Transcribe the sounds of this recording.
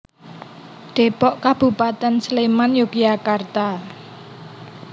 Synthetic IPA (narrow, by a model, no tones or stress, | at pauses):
ɖ̪̥e̤pɔʔkab̥ṳpat̪ɛnslemanjukijakart̪a